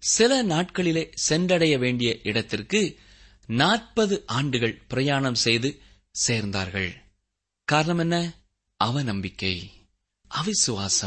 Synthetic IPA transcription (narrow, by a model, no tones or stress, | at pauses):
sɪlɐnaːʈ̚kɐɭɪleːsɛndrɐɽɐjɐʋeːɳɖɪjɐʔɪɽɐt̪ːɪrkɯ | naːʈ̚pɐðɯʔaːɳɖɯɣɐɭpɪɾɐjaːɳɐmsɛjðɯ | seːɾnd̪a̰ːɾɣɐ̰ɭ | kaːɾɐɳɐmɛnːɐ | ʔɐʋɐnɐmbɪkːɐɪ | ʔɐʋɪsɯʋaːsɐm